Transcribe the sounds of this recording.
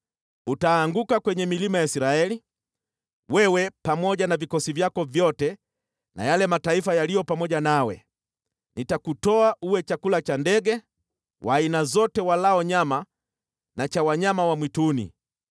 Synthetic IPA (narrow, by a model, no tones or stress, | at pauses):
utaːŋɡukakwɛɲɛmilimajaisiɾaɛli | wɛwɛpamɔʄanavikɔsivjakɔvjɔtɛ | na̰jalɛmataifajalijɔpamɔʄanawɛ̰ | nitakutɔaʔuwɛt͡ʃakulat͡ʃandɛɡɛ | wʔaːinazɔtɛwalaɔɲama | nat͡ʃawaɲamawamwitunḭ